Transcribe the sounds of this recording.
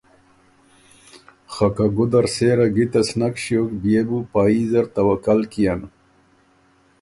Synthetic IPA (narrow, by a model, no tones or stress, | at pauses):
χakaɡud̪aɾseɾaɡit̪asnakɕjokbijebupaːizaɾt̪awakalkijan